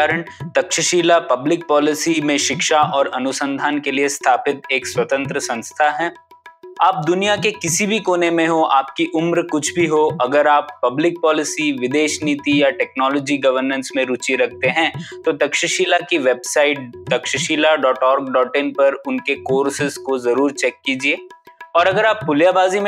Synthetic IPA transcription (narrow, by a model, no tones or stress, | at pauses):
aɾəɽ̃t̪ɐkʃəʃiːlapɐblɪk̚pɔːlɪsimẽʃɪkʃaʔɔːɾɐnʊsə̃nd̪ʱaːnkeliest̪ʰaːpɪt̪eːkswɐt̪ə̃nt̪ɾəsɐ̃nst̪ʰaɦɛː | aːp̚d̪ʊnijakekɪsibʱikoːnemẽɦoʔaːpkiʔʊmɾkʊt͡ʃʰbʱiɦoɐɡəɾaːpːɐblɪk̚pɔːlɪsiʋɪd̪eːʃnit̪ijaʈɛːknɔːlɔːd͡ʒiɡɐʋəɾnə̃nsmẽɾʊt͡ʃiɾɐk̚ʰt̪eɦɛ̃t̪od̪ɐkʃəʃiːlakiʋeːbsaːɪʈ̚d̪ɐkʃəʃiːlaɖɔːʈɔːɾɡ̚ɖɔːʈeːnpɐɾʊnkekoːɾsɪzkozɐɾuːɾt͡ʃɛːkːiːd͡ʒieːɔːɾɐɡəɾaːpːʊljabaːzim̃